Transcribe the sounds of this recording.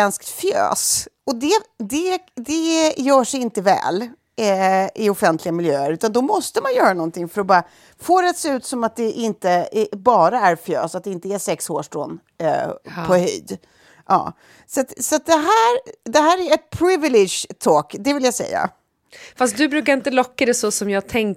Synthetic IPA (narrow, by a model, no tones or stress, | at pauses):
ɛnskt̪fjø̰ːsɔd̪ɛd̪ɛd̪ɛjœːʂɛɪnt̪əvɛ̰ːl | ɪɔfɛnt̪lɪɡamɪljøːəɾʉ̟ːt̪and̪ɔmɔst̪əmanjœːɾanɔnt̪ʰɪŋfœɾɔbɑːɾa | foːɾɛat̪seːʉ̟ːt̪sɔmat̪̚d̪ɛʔɪnt̪əbɑːɾaæɾfjø̰ːsat̪̚d̪ɛɪnt̪əæsɛkshoːʂʈɔ̰nː | pʰɔhʏ̰ːd̪ | ʔɑ̰ː | sat̪sat̪̚d̪ɛɦæːɾd̪ɛɦæːɾæɛt̪̚pʰɾɪvɪlɪʃt̪ʰoːkd̪ɛvɪljasɛ̰jːa̰ | fast̪̚d̪ɵbɾʉ̟ːkaɾɪnt̪əlɔkːad̪ɛsɔsɔmjɑːɡt̪ʰɛŋ